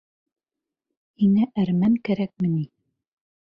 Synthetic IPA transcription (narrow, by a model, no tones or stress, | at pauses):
inæʔæɾmæŋkæɾæk̚mɘ̆ni